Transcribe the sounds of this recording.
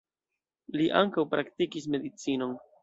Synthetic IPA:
liʔaŋkawpɾaktikis̬me̞dit͡sino̞n

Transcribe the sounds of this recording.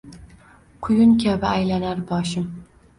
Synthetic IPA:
qʰʊjʊnkʲʰabɪajlanaɾbɒʃɪm

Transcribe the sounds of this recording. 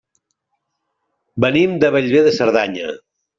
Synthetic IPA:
bənimd̪əβəʎβeðəsəɾðaɲə̰

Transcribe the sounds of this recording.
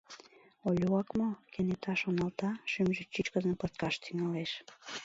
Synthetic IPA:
olʲuɑkmokenet̪ʰɑʃonɑlt̪ɑʃymʒyt͡ɕːyt͡ɕkəzəmpət̪kɑʃt̪ʰyŋɑleʃ

